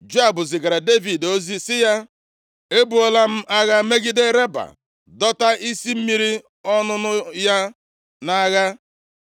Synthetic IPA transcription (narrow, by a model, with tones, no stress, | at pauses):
d͡ʒo˦a˨bʊ˨zɪ˨ɡa˨ɾa˨de˦vi˨do˦zi˦sɪ˦ja˦ | e˦bu˨ɔ˦la˦m̩˦ʔa˦ɣa˦me˦ɡi˦de˦ɾe˦ba̰˨ | dɔ˦ta˦ʔi˦si˦m̩˦mi˦ɾi˦ | ɔ˦nʊ˦nʊ˦ja˦ | na˦ɣa˦